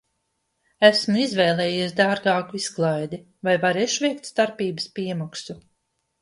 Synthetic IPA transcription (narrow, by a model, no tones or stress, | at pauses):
æsmuizvɛːjlˠɛːjiɛsd̪aːɾɡaːkuisklˠajd̪i | vajvaɾɛʃvʲɛjkt̪st̪aɾpiːbəspiɛmaksu